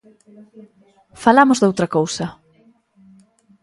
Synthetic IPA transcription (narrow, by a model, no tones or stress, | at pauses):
falamʊzd̪owt̪ɾɐkowsɐ